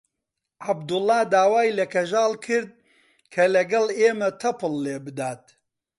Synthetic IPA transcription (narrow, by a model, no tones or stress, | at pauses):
ʕab̚d̪ʊlːɑːd̪aːwaːjlɐkʰɐʒaːlˠkʰɨɾd̪̚ | kʰɐlɐɡɐleːmɐt̪ʰɐpɨlːeːbɨd̪aːt̪